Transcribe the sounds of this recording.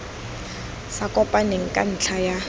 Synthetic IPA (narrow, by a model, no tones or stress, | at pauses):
sakʼɔpʼaneŋ̩kʼa̰n̩t͡ɬʰaja